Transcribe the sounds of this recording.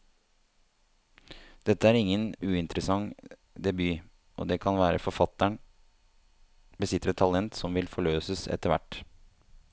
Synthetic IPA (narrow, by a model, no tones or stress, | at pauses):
d̪̥ɛt̪ːəæːɾɪŋːənʉːɪnt̪ɾəsɑŋ | d̪ɛbyː | ʔo̰d̪ɛːkʰɑnʋæːɾə̰fɔɾfɑt̪ːæɳ | bəsɪt̪ːɾət̪ʰɑlɛnt̪sɔmʋɪlfɔɭøːsəsɛ̰t̪əɾʋæ̰ʈː